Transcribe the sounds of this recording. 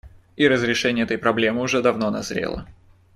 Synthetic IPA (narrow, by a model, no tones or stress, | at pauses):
iɾəzɾʲɪʂɛnʲɪjəɛt̪əjpɾɐblʲe̞mɨʊʐɛd̪ɐvnonɐ̰zɾʲḛlˠə̰